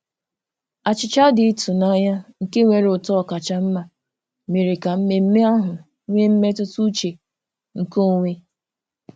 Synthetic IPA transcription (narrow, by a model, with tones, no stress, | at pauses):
a˨t͡ʃɪ˨t͡ʃa˦dɪ˨˦tu˨na˦ɲa˦ŋ̩˨ke˦ŋʷe˨ɾʊ˨tɔ˦ɔ˨ka˨t͡ʃa˦m̩˦ma˨ | me˨ɾɪ˨ka˨m̩˦me˨m̩˦me˦a˦ɦʊ˨˦ | ŋʷe˦m̩˦me˦tʊ˦tu˦t͡ʃe˨ | ŋ̩˨ko˦o˦ŋʷe˦